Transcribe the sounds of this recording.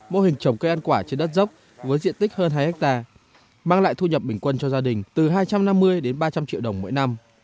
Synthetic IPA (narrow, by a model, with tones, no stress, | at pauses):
mo˧hï˨˩ŋ̟t͡ɕə˨˩ŋ͡mkə˧jʔa˧nkwaː˧˩t͡ɕe˧nɗə˦˥t̚zə˦˥wk͡p̚ | vəː˨˦jzḭ˧˨ənt̪i˦˥k̟̚ɦəː˧nɦaː˧jʔɛ˦˥k̚t̪aː˧ | maː˧ŋla̰ː˧˨jt̪ʰu˧ɲə˨˩p̚ɓï˧˩ŋ̟kwə˧nt͡ɕɔ˧zaː˧ɗï˨˩ŋ̟t̪ɨ˨˩ɦaː˧jt͡ɕa˧mna˧mːɨ˧əjɗe˨˦nɓaː˧t͡ɕa˧mt͡ɕḭ˧˨wɗə˨˩wŋ͡mmo̰˧˥jna˧m